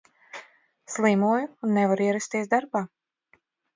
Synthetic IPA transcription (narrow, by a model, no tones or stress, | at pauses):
slˠiːmuɔjuːnːɛvaɾiɛɾast̪iɛsd̪aɾbaː